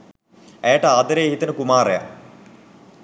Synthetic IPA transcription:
ɛjaʈəaːd̪ɐɾeːɦit̪ɐnəkumaːɾḛja̰

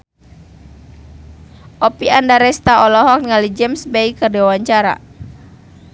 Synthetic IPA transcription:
ʔɔpiandaɾɛst̪aɔlɔɦɔk̚ŋalid͡ʒɛmsbɛikərdɛwaɲt͡ʃaɾa̰

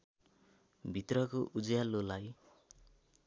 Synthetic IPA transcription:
bʱit̪rʌkoʔud͡zjalolaj

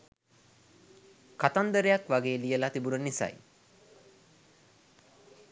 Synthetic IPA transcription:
kat̪and̪əɾejakʋaɡeːlijəlat̪ibunənisa̰j

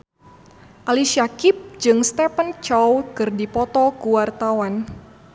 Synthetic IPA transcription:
ʔaliʃiakip̚d͡ʒɨŋst̪ɛpənt͡ʃɔwkɨrdipɔt̪ɔkuwart̪awan

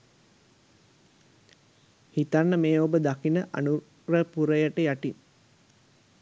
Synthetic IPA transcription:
hit̪anːəmeːobəd̪akinəʔa̰nu | rəpuɾəjəʈəjaʈin

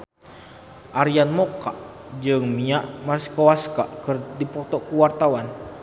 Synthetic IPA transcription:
ʔaɾianmɔkaʔ | d͡ʒɨŋmiaʔmarsi̥kowaska̰ʔkɨrdipɔt̪ɔʔkəwart̪awan

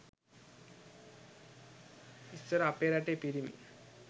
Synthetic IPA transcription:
ist͡ɕəɾapeɾaʈepiɾimḭ

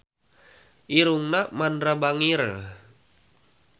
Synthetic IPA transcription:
ʔiɾuŋnamandɾabaŋiɾ

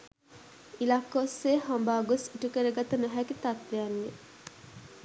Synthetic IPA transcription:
ilakːosːeːɦambaːɡosiʈukəɾəɡat̪ənoɦækit̪at̪ʋejanːe

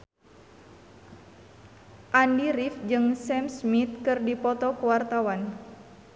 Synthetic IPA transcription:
ʔandiɾifd͡ʒɨŋsɛmsmit̪̚kɨrdipɔt̪ɔkuwart̪awan

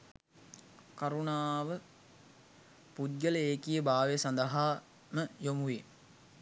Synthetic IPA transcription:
kaɾunaːʋə | pud̪ɡələeːkijəbaːʋesand̪əɦaː | məjomuʋi

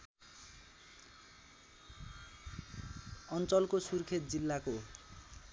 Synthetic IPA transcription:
ʌnt͡sʌlkosurkʰet̪̚d͡zilːako

